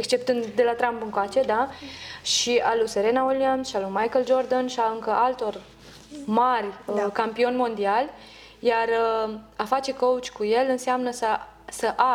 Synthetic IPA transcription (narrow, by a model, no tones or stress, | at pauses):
ekst͡ʃe̞pt̪ɨnd̪d̪e̞lat̪ɾampɨŋkoat͡ʃe̞d̪aʃialuseɾe̞nawelianʃialumajkəld͡ʒo̞rd̪ənʃiaɨŋkəʔalt̪o̞r | marʲkampio̞nʲmo̞nd̪ialʲ | jarəafat͡ʃe̞kout͡ʃʲkuje̞lɨnseamnəsə | səʔa